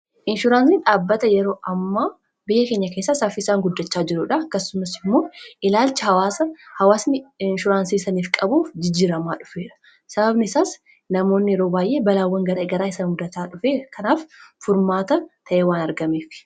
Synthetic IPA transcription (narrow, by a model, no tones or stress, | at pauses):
ʔɪnʃʊɾaːnsiᶑaːbːɐt̪ɐjɛɾo̞ːʔɐmːaː | bɪjːɐkeːɲːɐkeːsːɐsɐfɪɪsaːŋɡʊd̪ːɐt͡ʃːaːd͡ʒɪɾʊːᶑɐɐkːɐsːʊmɐsɪmːo̞ːʔɪlaːlt͡ʃɪɐwaːɐhɐwaːsnɪɪnʃʊɾaːnsiːsɐniːfkʼɐbuːfd͡ʒɪd͡ʒːiːɾɐmaːᶑʊ̥feːᶑɐ̥ | sɐbɐbnɪɪsaːs | nɐmo̞ːnːɪjɛɾo̞ːbaːjʔe̞ːbɐlaːwːɐŋɡɐɾɐɡɐɾaːɪsɐnɡʊd̪ɐt̪aːᶑʊfeːkʰɐnaːffʊɾmaːt̪ɐt̪ʰɐʔeːwaːnɐɾɡɐmeːf